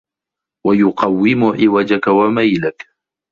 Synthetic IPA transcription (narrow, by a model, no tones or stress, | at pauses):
wajʊqɑwːɪmʊʕɪwad͡ʒakawamajlak